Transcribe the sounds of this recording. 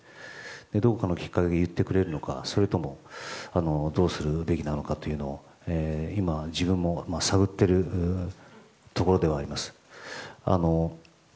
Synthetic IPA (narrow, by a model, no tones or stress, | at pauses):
d̪̥e̞d̪o̞kokano̞kʲi̥kːakʲe̞ɡejɯ̟t̪ːe̞kɯ̟ɾe̞ɾɯ̟no̞ka̰so̞ɾe̞t̪o̞mo̞ano̞d̪o̞ːsɨɾɯ̟be̞kʲinano̞kat̪o̞jɯ̟no̞o | eimaʑibɯ̟̃mːo̞masaɡɯ̟t̪ːe̞ɾɯ̟ | t̪o̞ko̞ɾo̞d̪e̞βaːɾimasɨ̥ | a̰no̞